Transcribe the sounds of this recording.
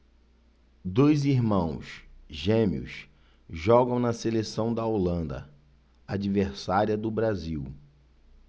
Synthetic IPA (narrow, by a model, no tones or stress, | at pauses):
d̪ojziɾmɐ̃w̃sʒẽmḭʊ̰s | ʒɔɡɐ̃w̃nɐselesɐ̃w̃d̪ɐolɐ̃nd̪ɐ̰ | ad͡ʒiveɾsaɾiɐd̪ʊbɾaziw